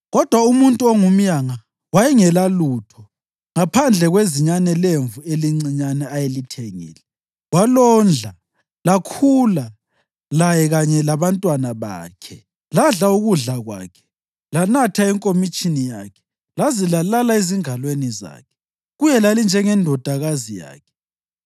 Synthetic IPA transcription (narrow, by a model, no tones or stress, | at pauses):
ɣɔd̥ʱwaumuntʼuɔŋum̩jaŋa | wajɛŋɛlalutʰɔ | ŋapʰand͡ɮʱɛɣweziɲanɛleɱvueliŋ͡ǀiɲanɛajelitʰeŋḭːlɛ | walɔnd͡ɮʱa | lakʰula | lajɛɣaɲɛlaβantʼwanaβa̰ːkʰɛ | laɮauɣuɮaɣwa̰ːkʰɛ̥ | lanatʰaiŋkʼomit͡ʃʼinija̰kʰɛ̥ | lazilalalaeziŋalweniza̰ːkʰɛ̥ | ɣujɛlalind͡ʒʱɛŋɛndʱɔd̥ʱaɣazija̰ːkʰɛ̥